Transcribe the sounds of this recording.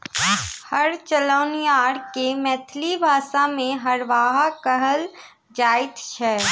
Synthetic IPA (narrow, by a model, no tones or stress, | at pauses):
həɾt͡ʃələʊnjaːɽkemɛːt̪ʰlibʱaːʃamẽɦəɾʋaːɦakəɦəl | d͡ʒaːɪt̪t͡ʃʰɛː